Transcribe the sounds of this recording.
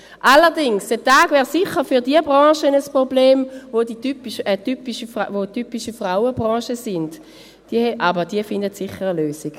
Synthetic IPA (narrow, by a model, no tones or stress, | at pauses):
ʔalːəʁdɪŋsd̥ətaːɡ̥vɛːʁsɪχəʁfyʁdiəbʁɑ̃ːʃənəspʁobleːmvoditypiʃətypiʃəfvotypiʃəfʁaʊəbʁɑ̃ːʃəsɪnd | d̥iəɛʔabəʁdiəfɪndətsiχəʁəløːsiɡ̥